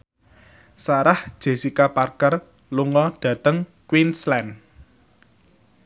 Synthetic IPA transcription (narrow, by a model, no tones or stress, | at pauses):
saɾahd̥ʒ̥e̤sikaparkər | luŋɔɖ̥ä̤t̪əŋkwinslɛn